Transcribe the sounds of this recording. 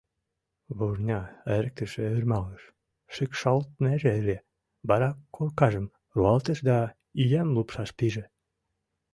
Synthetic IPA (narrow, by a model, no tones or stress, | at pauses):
βuʒnʲɑeɾək̚t̪ə̆ʃeyrmɑləʃ | ʃekʃɑlt̪̚næʒeeɾe | bɑɾɑkʰːolkɑʒə̆m | ruɑlt̪əʃd̪ɑ | ijæmlupʃɑʃp̪iʒĕ